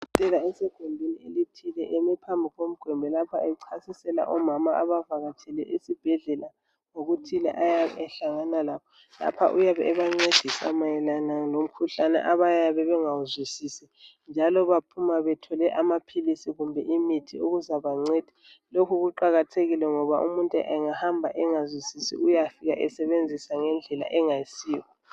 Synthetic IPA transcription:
itʼɛlaɛsɛɡ̥ʱɔndʱenielitʰilɛʔɛmɛpʰambʱiɣom̩ɡ̥ʱwɛmbʱɛlapʰaɛǀʰasisɛla̰ʔɔmamaaβavaɣatʰɛlɛʔisib̥ʱɛɮɛla | ŋoɣutʰilɛ̰ʔajaɛɬaŋanalakʰɔ | la̰pʰa̰ʔujaβɛːβaŋ͡ǀed̥ʱisa̰majɛlanalom̩kʰuɬanɛ̰ʔaβajaβɛβɛŋawuzwisisi | nd͡ʒʱalɔβapʰumaβɛtʰɔlɛʔamapʰilisiɣumbʱɛʔimitʰioɣuzaβaŋ͡ǀed̥ʱi | lokʰuɣuǃaɣatʰeɣilɛŋɔβaʔṵmuntʼuʔɛŋahambʱaʔɛŋazwisisḭʔujafiɣaʔɛsɛβend͡zʱisaŋɛnd͡ɮʱɛla̰ʔɛŋajisiːwɔ

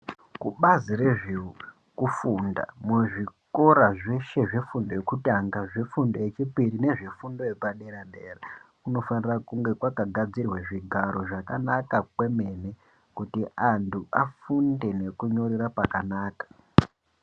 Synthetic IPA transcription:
kuɓazire̞ʐiu | kufunda̰muʐiko̞ɾaʐe̞ʃe̞ʐefundo̞je̞kutaŋɡaʐefundo̞jet͡ʃipirine̞ʐefundo̞jepaɗeɾambeːrekuno̞fanirakuŋɡe̞kwakaɡʱad͡zirweʐiɡʱaɾo̞ʐakanakakwe̞me̞ne | kutiʔantʰuafunde̞ne̞kuɲo̞ɾiɾapakanaːkḁ

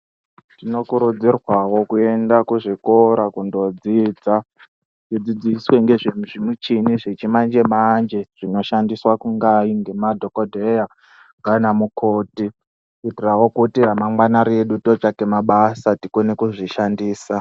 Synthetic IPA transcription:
tino̞kuɾud͡zirwawo̞kue̞ndakuʐiko̞ɾakundo̞d͡zid͡za | ʐid͡zid͡ziswe̞ŋɡe̞ʐemʐimut͡ʃiniʐe̞t͡ʃimand͡ʒe̞mand͡ʒeʐ̥ino̞ʃandiswakuŋɡaiŋɡe̞madʱokodʱeja | ŋɡanamukʰo̞ːti | kitirawo̞kutiamaŋwanaɾe̞ɗutot͡ʃakemaɓasatikonekuʐiʃandiːsa

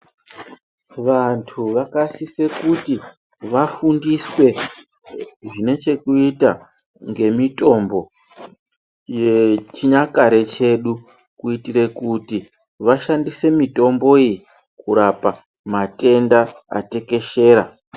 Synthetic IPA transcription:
ʋantʰuʋakasise̞kuti | ʋafundiswe̞ | ʐine̞t͡ʃe̞kuita | ŋɡe̞mito̞mbo̞ | jet͡ʃiɲakaɾe̞t͡ʃe̞ɗu | kuitiɾe̞kuti | ʋaʃandise̞mito̞mbo̞iji | kuɾapa | mate̞ndaa̰te̞ke̞ʃe̞ːɾa

